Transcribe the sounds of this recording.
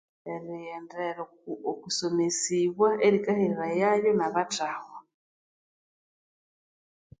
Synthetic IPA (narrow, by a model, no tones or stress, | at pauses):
eɾiɛndeɾ | okusomesiβwaeɾikaheɾiɾajajonaβatahwa